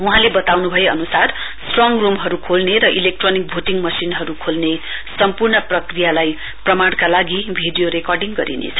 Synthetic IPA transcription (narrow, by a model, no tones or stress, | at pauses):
uɦãlebʌt̪awnubʱʌjeʌ̰nusar | sʈrʌŋrumɦʌɾukʰolneɾʌʔilek̚ʈronik̚bʱuʈiŋmʌsinɦʌɾukʰolne | sʌmpurɳʌprʌkrijalaj | prʌmaɽ̃kalaɡibʱiɖijoɾekɔrɖiŋɡʌ̰ɾḭnḛt͡sʰʌ̥